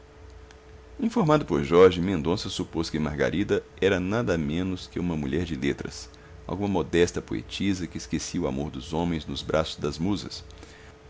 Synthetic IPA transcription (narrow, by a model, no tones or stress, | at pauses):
ĩfoɾmad̪ʊpoɾʒɔɾʒɪmẽnd̪õsɐsuposkɪmaɾɡa̰ɾid̪ɐ | ɛɾɐnad̪ɐmẽnʊskɪũmɐmuʎɛɾd͡ʒɪlet̪ɾɐ̰s | a̰wɡũmɐmod̪ɛst̪ɐpoḛt͡ʃizɐkɪːskesiʊa̰moɾd̪ʊzõmẽj̃znʊzbɾʔasʊzd̪ɐzmuzɐ̰s